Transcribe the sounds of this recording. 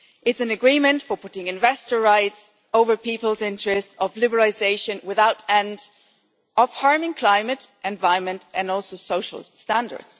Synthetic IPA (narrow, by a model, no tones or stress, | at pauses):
ʔɨtsɨ̃nɨɡɹĩmɨ̃ntfə˞pʰʊɾɪ̃ŋɨ̃nvɛstə˞ɹaɪts | oʊvə˞pipəl̩ˠzɪ̃ntɹ̥ɨstʌvlɪbəɹlˠɪzeɪʃɨ̃nwɪðaʊɾɛ̃nd | ʌfhɑɹmɪ̃ŋkʰl̥ãɪ̃mɨɾʔɨ̃nvaɪ̃nmɨ̃ntɨ̃nɔlˠsoʊsoʊʃl̩ˠstæ̃ndə̰˞d̥z̥